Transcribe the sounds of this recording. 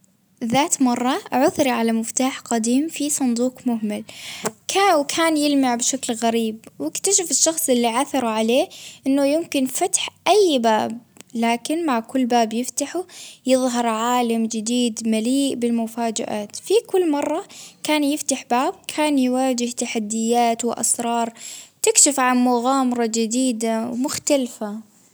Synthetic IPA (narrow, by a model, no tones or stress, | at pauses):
ðaːt̪mɑrˤːɑʕʊθɾiʕalamɪft̪aːħqad̪iːmfisˤʊnd̪uːqmʊhmalkawkʰaːnjɪlmaʕbʃaklɣaɾiːbwɪkt̪aʃɪfɪʃːɑxsˤʔɪlːiʕaθɑɾˤʕaleːʔɪnːʊjɪmkɪnfat̪ħʔajːba̰ːb̚ | laːkɪnmaʕkʊlːbaːbjɪft̪aħujɨðˤɦɑɾˤʕaːlamd͡ʒɪd̪iːd̪maliːʔbɪlmʊfaːd͡ʒa̰ʔaːt̪fikʊlːmɑrˤːɑkaːnjɪft̪aħbaːb̚kʰaːnjwaːd͡ʒɪht̪aħad̪ːɪjːaːt̪wɪʔɑ̰sɾˤɑːɾˤt̪ɪkʃɪfʕanmʊɣaːmɑɾˤɑd͡ʒɪd̪iːd̪awmʊxt̪alfa